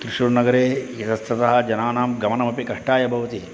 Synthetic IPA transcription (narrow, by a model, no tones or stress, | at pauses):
kɾiʂuɾnɐɡɐɾeːjɐt̪ɐst̪ɐt̪ɐɦɐ̆d͡ʒɐnaːnaːmɡɐmɐnɐmɐpikɐʂʈaːjɐbʱɐʋɐt̪i